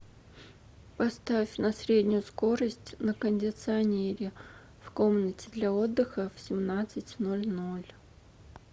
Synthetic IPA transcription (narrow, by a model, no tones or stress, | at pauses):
pɐst̪afʲnɐsɾʲedʲnʲʊjʊsko̞ɾəsʲtʲnəkənʲdʲɪt̪sɨɐnʲeɾʲɪ | fko̞mnətʲɪd̪lʲɐo̞d̪ːɨxəfsʲɪmnat̪sɨtʲno̞lʲnolʲ